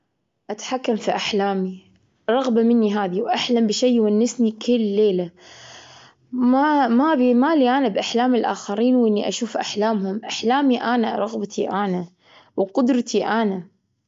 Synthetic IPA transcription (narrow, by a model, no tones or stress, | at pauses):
ʔat̪ḁħakːamfiʔaħlaːmi | ɾˤɑɣbamɪnːiɦaːðiwʔaħlambɪʃajːwanːɪsnikɪlːeːla | mamabimaliʔanabʔaħlaːmɪlʔa̰ːxaɾiːnwɪnːiʔaʃuːfʔaħlaːmhʊmʔaħlaːmiʔana̰ɾˤɑɣbat̪ʰiʔaːna | wqʊd̪ɾˤt̪ʰiʔana